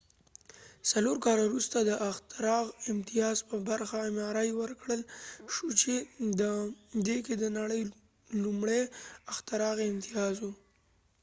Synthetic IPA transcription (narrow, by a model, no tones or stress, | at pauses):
saloɾkɑlawɾust̪ad̪əʔaxt̪aɾɑɣɪmt̪ijɑzpəbaɾxamɑɾajwəɾkɽəlʃut͡ʃed̪əd̪eked̪ənaɽəj | lumɽeaxt̪aɾɑɣɪmt̪ɪjɑzwu